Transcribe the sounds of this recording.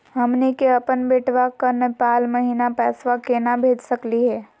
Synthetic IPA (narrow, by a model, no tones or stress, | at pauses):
ɦəmnikeəpənbeʈʰʋakənəpaːlməɦinapɛsʋakenabʱed͡ʒsəkliɦɛ